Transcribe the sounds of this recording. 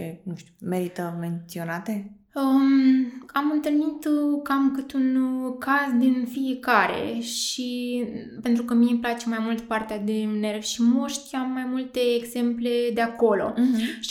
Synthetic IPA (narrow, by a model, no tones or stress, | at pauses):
t͡ʃenuʃt̪ume̞ɾit̪əme̞nt̪sio̞nat̪e̞ | ə | amɨnt̪ɨlnit̪kamkɨt̪unkazd̪infijekaɾe̞̰ʃi | pe̞nt̪ɾukəmineplat͡ʃe̞majmult̪part̪ead̪ene̞rvʲʃimoʃt̪ʲamːajmult̪e̞ːɡze̞mple̞d̪e̞ako̞lo̞̰